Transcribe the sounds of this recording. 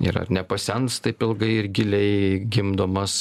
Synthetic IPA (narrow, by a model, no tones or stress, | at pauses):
ɪ̰ɾɐ̰rnʲɛpɐsʲɛnst̪ɐɪpɪlˠɡɐɪɪɾɡʲɪlʲɛɪɡʲɪmd̪oːmɐs